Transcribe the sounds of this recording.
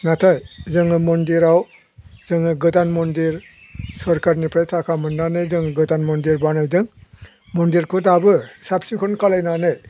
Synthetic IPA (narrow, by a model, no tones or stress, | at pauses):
natʰajzɯŋɯmɔndiɾaw | zɯŋɯɡɯtanmɔndiɾ | sɔɾkaɾnipʰɾajtʰakʰamɯnːanɯjzɯŋɡɯtanmɔndiɾbanajdɯŋ | mɔndiɾkʰɔdabɯsap̚siŋkʰɔnkalajnanaj